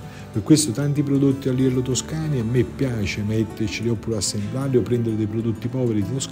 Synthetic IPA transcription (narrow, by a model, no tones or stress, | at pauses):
perkːwest̪ot̪ant̪ipɾod̪ot̪ːialːivɛlːot̪oskaːniamːepːjaːt͡ʃemɛt̪ːert͡ʃiliɔpːɾasːenb̪laːliopːɾɛnd̪eɾed̪ejpɾod̪ot̪ːipɔːveɾid̪it̪os